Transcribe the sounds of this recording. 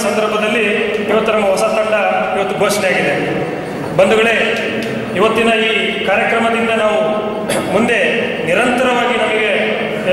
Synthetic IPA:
sɐnd̪ɐɾbʱɐd̪ɐlːiːʋɐt̪ːunɐmːɐɦɔsɐt̪ɐɳɖɐiʋɐt̪ːuɡʱoːʂɳeaːɡid̪e | bɐnd̪uɡɐɭe̞ | iʋɐt̪ːinɐiː | kaːɾjɐkɾɐmɐd̪ind̪ɐnaːʋu | mund̪e̞ | niɾɐnt̪ɐɾɐʋaːɡinɐmɐɡe̞

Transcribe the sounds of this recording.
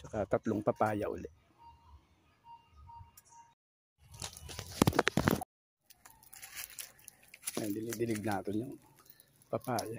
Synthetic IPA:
t͡ʃɐkat̪ɐt̪loŋpɐpaːjaʔʊ̰lɛʔ | nɐjd̪ɪlɪd̪ɪlɪɡ̚naːt̪ɪnjʊŋ | pɐpaːja

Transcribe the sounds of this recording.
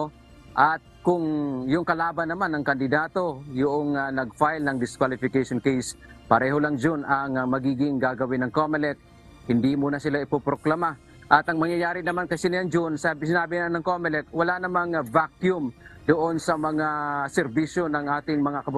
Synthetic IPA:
ʔat̪̚kʊŋjʊŋkɐlaːbanːɐmanːɐŋkɐnd̪ɪd̪aːt̪o̞jʊʔoŋanɐɡ̚fajlnɐŋd̪ɪskwalɪfɪkeʃonkɛjs | pɐɾɛɦolaŋd͡ʒʊnʔaŋmɐɡiːɡɪŋɡaɡɐwɪnːɐŋkomɪlɛk̚ | hɪnd̪imuːnasɪlaʔɪpopɾoklama | ʔɐt̪ɐŋmɐŋjajaːɾɪnɐmankɐjsɪnɪaŋd͡ʒʊnsabɪsɪnaːbɪnanɐŋkomɪlɛkwɐlanɐmaŋvakjʊmd̪oʔonsɐmɐŋasɛɾbiʃjo̞nɐŋʔaːt̪ɪŋmɐŋakɐb

